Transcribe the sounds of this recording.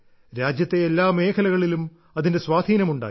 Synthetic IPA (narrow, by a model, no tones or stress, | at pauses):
ɾaːd͡ʑjɐt̪ːeːlːaːme̞ːkʰɐlɐɣɐɭilum | ɐðinde̞sʋaːd̪ʱiːnɐmuɳɖa̰ː